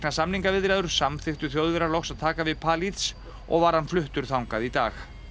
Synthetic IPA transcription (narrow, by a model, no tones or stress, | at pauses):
nasamniŋkavɪðɾɛðʏɾ̥samθɪht̪ʏθjowðvɛɾalowksaðt̪ʰaːkavɪðpʰaːlit̪s | ɔ̰ɣvaɾ̥hanflʏht̪ʏɾ̥θawŋkaðit̪a̰ːx